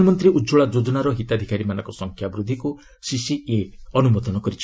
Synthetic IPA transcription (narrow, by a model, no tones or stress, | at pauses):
ɔmɔnt̪ɾiʔud͡ʒuɭad͡ʒod͡ʒɔnaɾɔɦit̪ad̪ʱikaɾimanɔ̃ŋkɔsɔŋkʰjabɾud̪ʱiku | sisieɔnumɔd̪ɔnɔkɔɾit͡ʃʰ